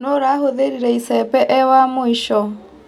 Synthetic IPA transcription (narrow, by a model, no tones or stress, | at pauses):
noɾaɦoðeɾiɾɛisɛpɛʔɛwamoiʃɔ